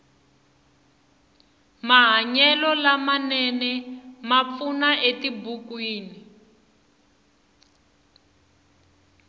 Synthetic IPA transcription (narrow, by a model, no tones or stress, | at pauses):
maɦaɲɛlɔlamanɛnɛmap̪funaʔetibukwiːni